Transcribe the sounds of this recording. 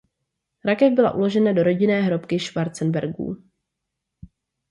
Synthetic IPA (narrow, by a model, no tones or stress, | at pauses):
ɾakɛvbɪla̰ʔulo̞ʒɛnado̞ɾo̞ɟɪnɛːɦɾo̞pkɪʃvaɾt͡sɛnbɛɾɡṵː